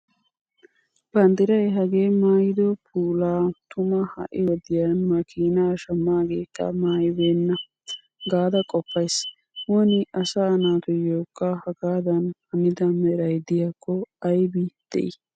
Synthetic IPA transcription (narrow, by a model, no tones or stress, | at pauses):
b̥ɐnd̪ɪɾɐjɦɐɡeːmaːjɪd̪ɔpʰuːlaːt̪ʊmɐhɐ̰ʔɪwɔd̪ɪjanmɐkʰiːnaːʃɐmːaːɡeːkːɐ̰maːjɪbeːnːɐ | ɡaːd̪ɐkʼɔpːɐjs | oːnɪʔɐsɐɐnaːt̪ʊjoːkʼːaːhɐɡaːd̪ɐnhɐmɪd̪ɐmɛɾɐjd̪ɪjakʰːɔɐjbiːd̪̥ɛ̰ʔ